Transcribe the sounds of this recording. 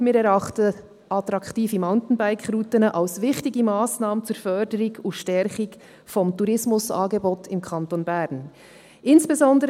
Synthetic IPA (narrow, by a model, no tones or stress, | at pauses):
mɪːɾɛɾɑχtə | ʔɑtɾɑktiːfimaʊntn̩baɪkɾuːtənəʔalsvɪxtɪɡəmaːsnaːmənt͡suːɾfœdəɾɪɡʊnʃtɛɾχɪɡ | fɔmtuɾɪsmʊsɑ̰ːɡeboːtʰɪmkʰɑntonbɛɾn | ʔɪnsb̥ɛzɔndəɾ